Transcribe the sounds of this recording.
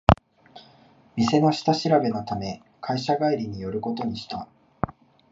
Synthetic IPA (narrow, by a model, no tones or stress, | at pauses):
mʲise̞no̞ɕi̥t̪aɕiɾabe̞not̪ame̞ | kʰaiɕaɡaiɾʲiɲ̟ijo̞ɾɯ̟ko̞t̪o̞ɲ̟iɕi̥t̪a